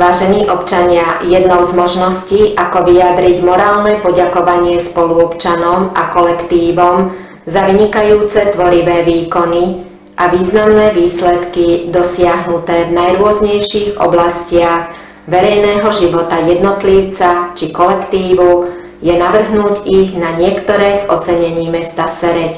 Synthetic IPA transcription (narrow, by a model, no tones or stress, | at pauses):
ʋaːʒɛniːʔɔpt͡ʃaɲɪajɛd̪nɔʊzmɔʒnɔsciːʔakɔʋiad̪ɾiɟmɔɾaːlnɛpɔɟakɔʋaɲɪɛspɔluɔpt͡ʃanɔmʔakɔlɛkt̪iːʋɔm | zaʋiɲikajuːt͡sɛt̪ʋɔɾiʋɛːʋiːkɔni | ʔaʋiːznamnɛːʋiːslɛt̪kid̪ɔsɪaɦnut̪ɛːvnajɾʊɔzɲɛjʃiːɣɔ̰blascɪaɣ | ʋɛɾɛjnɛːɦɔʒiʋɔt̪ajɛd̪nɔt̪liʊt͡sat͡ʃikɔlɛkt̪iːʋu | jɛnaʋr̩ɦnuːɟiɣnaɲɪɛkt̪ɔɾɛːzɔt͡sɛɲɛɲiːmɛst̪asɛɾɛc